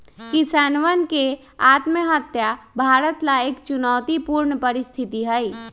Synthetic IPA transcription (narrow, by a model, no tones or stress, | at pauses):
kisaːnʋənke | aːt̪məɦət̪jabʱaːɾət̪laeːkt͡ʃunɔːt̪ipuːɾɳəpəɾɪst̪ʰɪt̪iɦəj